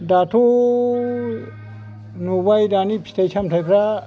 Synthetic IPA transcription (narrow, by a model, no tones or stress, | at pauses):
datʰu | nubajdanipʰi̥stajsʰamtʰajpʰɾa